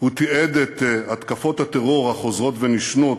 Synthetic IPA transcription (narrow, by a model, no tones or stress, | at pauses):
hut̪ied̪et̪at̪kafo̞t̪hat̪eʁo̞ʁhaχo̞zʁo̞t̪veniʃnot